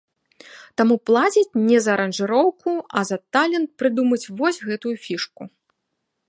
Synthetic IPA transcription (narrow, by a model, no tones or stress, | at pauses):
t̪amuplˠat͡sʲit͡sʲnʲɛzɐːɾɐnʐɨɾɔwkuɐzɐt̪alʲɛnt̪̚pɾɨd̪umɐt͡sʲvɔsʲɣɛt̪ujufʲiʂku